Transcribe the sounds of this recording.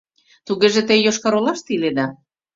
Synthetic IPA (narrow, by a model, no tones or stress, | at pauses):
t̪uɣeʒĕt̪ejoʃkɑɾolɑʃt̪iled̪ɑ